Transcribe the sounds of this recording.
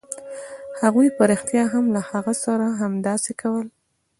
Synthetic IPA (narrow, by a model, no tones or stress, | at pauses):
haɣujpəɾɪxt̪jɑɦamlahaɣasaɾaɦamd̪ɑsekʰawəl